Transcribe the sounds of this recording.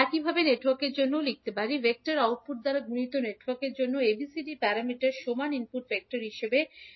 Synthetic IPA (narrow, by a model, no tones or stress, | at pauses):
ɛkibʱabeneʈwaɾkeɾd͡ʑonːolik̚t̪epaɾibek̚ʈaɾaut̪̚puɾd̪aɾaɡʱunit̪oneʈwaɾkeɾd͡ʑonːoebisiɖipɛɾamiʈaɾʃomaninpuʈfɛk̚ʈaɾɦiʃebe